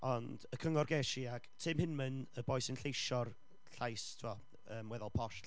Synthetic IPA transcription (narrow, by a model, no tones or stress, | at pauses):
ɔnd̥əkʰəŋɔrɡɛʃiaɡ̥tʰɪmhɨnmənəbɔjsɪnɬejʃɔr | ɬajstʰuɔ | əːmwɛðɔlˠpʰɔʃ